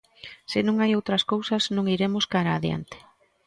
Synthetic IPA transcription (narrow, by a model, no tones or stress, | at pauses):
sɪnũŋajowt̪ɾɐskowsɐznõŋiɾemʊskaɾaːðia̰nt̪ɪ̥